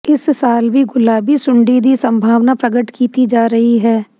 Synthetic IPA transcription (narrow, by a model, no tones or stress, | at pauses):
ɪssaːlʋiɡʊlaːbisʊ̃ɳɖid̪isə̃mbʱaːʋnapɾəɡəʈkiːt̪id͡ʒaːɾəɦiɦɛː